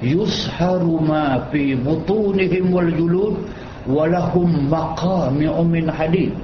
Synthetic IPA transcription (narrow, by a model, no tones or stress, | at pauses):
jʊsħɑɾʊmaːfiːbʊt̪ˤuːnɪɦɪmwald͡ʒʊluːd | walahʊmːaqɑːmɪʔʊmɪnħadiːd̪̚